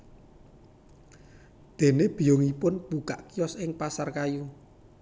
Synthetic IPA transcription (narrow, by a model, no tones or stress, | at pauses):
d̪̥e̤neb̥i̤joŋipʊnb̥uka̰ʔkijɔsɪŋpasarkaju